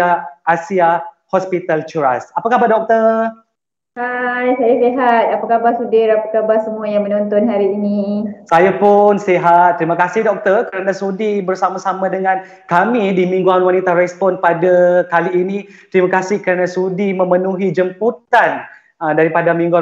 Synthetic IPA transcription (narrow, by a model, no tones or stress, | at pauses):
aːsia | hɔspit̪alt͡ʃuɾasapakabadɔk̚t̪ər | ajsajaseɦat̪̚apakabasudɪɾapakabasəmuajaŋmənɔnt̪ɔnɦaɾiːniisajapʊnseɦat̪ːɾimakasɪhdɔk̚t̪ərkəɾanasudibərsamãsamãdəŋãn | kamidimĩŋɡuanwanit̪aɾɛspɔnpadakaliːnit̪ɾimakasɪhkəɾanasudimə̃mənuɦid͡ʒəmput̪an | ədaɾipadamĩŋɡua